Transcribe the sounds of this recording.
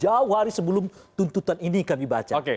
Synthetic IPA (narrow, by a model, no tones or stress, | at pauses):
d͡ʒauwaɾisəbəlʊmt̪unt̪ut̪aninikamibat͡ʃaoke